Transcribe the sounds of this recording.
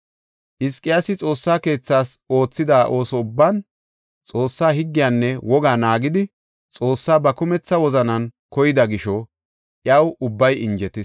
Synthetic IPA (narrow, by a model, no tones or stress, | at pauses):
ʔɪskʼːɪjasɪt͡sʼo̞ːsːaːke̞ːt͡sːaːso̞ːt͡sːɪd̪aːʔo̞ːsɔʊbːaːn | t͡sʼo̞ːsːaːhɪɡːɪjaːnːɛwɔɡaːnaːɡɪd̪ɪ | t͡sʼo̞ːsːaːbɐkʊmɛt͡sːɐwɔzɐnɐnkɔjɪd̪ɐɡɪʃɔ | ʔjɐwʊbːɐjɪnd͡ʒɛt̪ɪs